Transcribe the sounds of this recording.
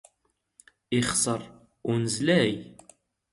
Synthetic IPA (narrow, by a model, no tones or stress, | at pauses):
iχsˤəɾˤ | ʊnəzlæj